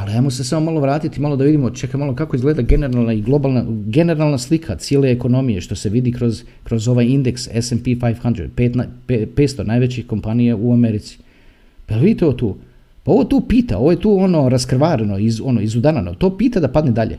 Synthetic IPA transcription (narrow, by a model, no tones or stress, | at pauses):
alijaːmosesamomalo̞ʋɾaːt̪it̪imalod̪aʋid̪imot͡ʃekamalˠo̞kakoizɡled̪aɡe̞ne̞ɾalˠnaiɡlˠo̞balˠnaɡene̞ɾalˠnaslikʰat̪sjelˠe̞ːko̞no̞mijeʃt̪o̞se̞ʋid̪ikɾo̞z | kɾo̞zo̞ʋajind̪eksesempifajfxand̪ɾḛpet̪napepeːt̪st̪o̞naːjʋet͡ɕixko̞mpanijauameɾit̪si̥ | paelʋid̪it̪eoot̪uː | pao̞ʋot̪uːpiːt̪a̰o̞ʋoje̞t̪uːo̞no̞ɾaskɾʋaːɾeno̞izo̞noizud̪anano̰t̪oːpiːt̪ad̪apad̪ned̪aʎḛ